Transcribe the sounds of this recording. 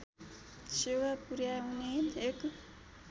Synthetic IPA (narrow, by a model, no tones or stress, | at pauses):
sewapuɾjawuneek